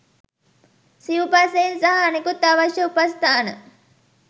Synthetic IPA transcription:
siʋupasejnsɐɦɐɐnekut̪ːaʋɐʃjɐupɐst̪ʰaːnə

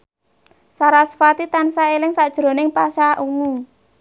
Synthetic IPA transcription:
saɾasfat̪it̪ansaelɪŋsad̥ʒ̥ɾo̤nɪŋpasaʔuwu

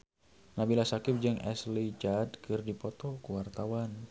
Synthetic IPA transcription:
nabilasakɪp̚d͡ʒɨŋɛ̰slid͡ʒadkɨrdipɔt̪ɔkuwart̪awan

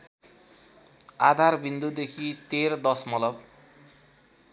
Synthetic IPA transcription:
ad̪ʱarbʱind̪ud̪ekʰit̪eɾd̪ʌsmʌlʌb

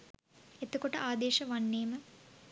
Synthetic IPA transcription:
et̪ukoʈɐʔaːd̪eːʃɐʋɐnːeːmɐ

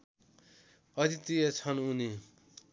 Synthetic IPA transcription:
ʌt̪it̪iet͡sʰʌnuni

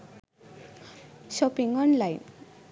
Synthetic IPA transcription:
ʃɔpiŋɔnlajn

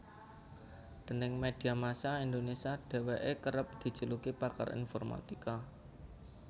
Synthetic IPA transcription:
d̪̥ə̤nɪŋmed̥i̤amasaind̪onesiaɖ̥e̤weʔekəɾəp̚d̪̥i̤̥d͡ʒ̥ṳlukipaka̰rḭnfɔrma̰t̪ika

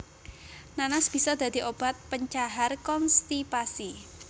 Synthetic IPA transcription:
nanasb̥i̤sɔd̪̥a̤d̪̥i̤ʔob̥at̪̚pəɲt͡ʃaɦarkɔnst̪ipasi

